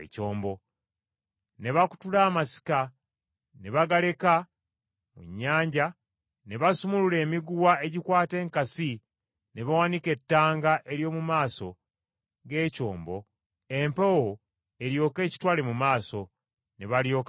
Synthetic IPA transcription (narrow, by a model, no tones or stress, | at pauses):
coːmbo̞ | ne̞βaku̥tulaːmasi̥ka | ne̞βaɡale̞ka | mṵɲːaːɲɟa | ne̞βasumulule̞ːmiɡuwae̞ɟikwaːte̞ːŋkasi | ne̞βawanike̞tːaːŋɡaʔe̞ɾjo̞ːmumaːso̞̰ | ɡe̞ːco̞ːmbo̞ | e̞mpewo | e̞ɾjo̞ːke̞ːci̥twaːlemumaːso̞ | neβaljo̞ːk